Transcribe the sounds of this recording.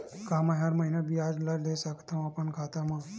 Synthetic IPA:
kaːmaɦaɾməɦinabʱiaːd͡ʒlad͡ʒd̪esakʰt̪ʰamãpəɳkʰat̪amã

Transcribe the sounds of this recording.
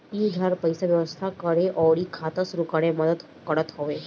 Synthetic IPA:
id̪ʱəɾpəjsaʋjəʋəst̪ʰakəɽeʔɔʋɽiːkʰat̪əsɾukaɽeməd̪ət̪ | kəɽət̪ɦoʋe

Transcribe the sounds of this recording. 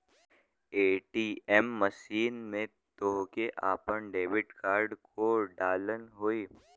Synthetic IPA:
eːʈiːɛmːəʃiːnmẽ | t̪oɦkeʔa̰ːpənɖeːʋɪʈkaːɾɖkʰoɖaːlənɦoiː

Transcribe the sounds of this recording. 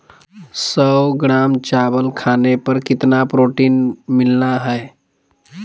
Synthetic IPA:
səwɡɾaːmt͡ʃabəlkʰaːnepəɾkɪt̪napɾoːʈiːnmɪlnaɦɛe

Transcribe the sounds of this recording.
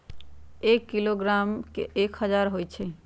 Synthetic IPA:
ekːiloɡɾamkḛʔekhʌd͡ʑaɾɦojt͡ɕʰe

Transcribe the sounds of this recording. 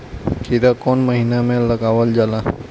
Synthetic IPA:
kʰiɾakonməɦinameləɡaʋəld͡ʒala

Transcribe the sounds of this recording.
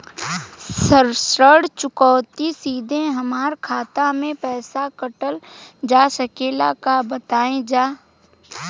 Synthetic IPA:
səɾsɾəɽt͡ʃʊkɔːt̪isiːd̪ʱẽɦɐmaːɾkʰaːt̪amẽpɛːsakəʈəld͡ʒaːsəkeːlakabət̪aːẽd͡ʒaː

